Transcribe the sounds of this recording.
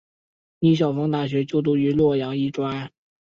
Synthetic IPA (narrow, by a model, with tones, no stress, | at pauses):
ni˧˥ɕ̬jɑ˨˩ʊfɑ˥ŋt̪a˥˩ɕ̬ɥɛ˧˥t͡ɕjo˥˧ʊt̪̬u˥˩y˧˥lwɔ˥˩jɑ˧˥ŋi˥˩ʈ͡ʂwa˥